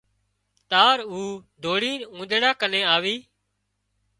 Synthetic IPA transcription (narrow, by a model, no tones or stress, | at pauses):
t̪aːɾuːd̪ʱoːɽiːnũːd̪ʱeɽaːkənẽːaːʋiː